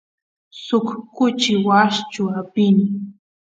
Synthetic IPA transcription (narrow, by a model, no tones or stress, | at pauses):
sʊkkʊt͡ʃɪwaʃt͡ʃʊapɪnɪ